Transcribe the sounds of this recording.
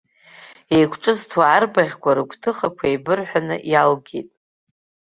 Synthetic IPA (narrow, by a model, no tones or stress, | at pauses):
ejkʷʰʈ͡ʂʼɨztʰwaːrbaʁʲkʷʰʼaɾɨɡʷʰtʰɨχakʷʰajbɨrħʷᶣanɨ̰ʔjalɡʲḛtʼ